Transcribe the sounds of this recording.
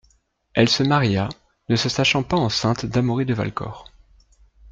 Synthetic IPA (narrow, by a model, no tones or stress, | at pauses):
ɛlsəmaʁja | nəsəsaʃɑ̃paɑ̃sɛ̃t̪d̪amuʁid̪əva̰lkɔ̰ːʁ